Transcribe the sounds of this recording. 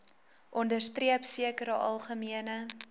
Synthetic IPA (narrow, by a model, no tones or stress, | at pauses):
ʔɔndərstriəpsiəkəɾəʔɐ̰lˠχəmiənə